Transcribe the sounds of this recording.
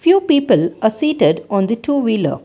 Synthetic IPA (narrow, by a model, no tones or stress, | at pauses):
fjuːpiːpəlasiːʈeɖɔ̃ːnd̪əʈʰuːʋilə̰